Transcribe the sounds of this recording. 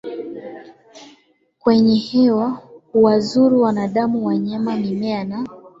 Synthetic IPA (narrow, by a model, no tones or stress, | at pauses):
kwɛɲɛhɛwahuwazuɾuwanaɗamuwaɲamamimɛana